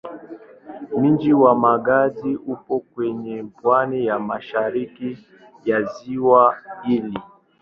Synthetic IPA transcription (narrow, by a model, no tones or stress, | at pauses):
m̩d͡ʒiwamaɡaziupɔkwɛɲɛpwanijamaʃaɾiki | jaziwaili